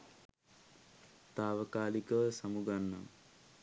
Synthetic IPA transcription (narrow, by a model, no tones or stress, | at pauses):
t̪aːʋəkaːlikəʋəsamuɡanːa̰m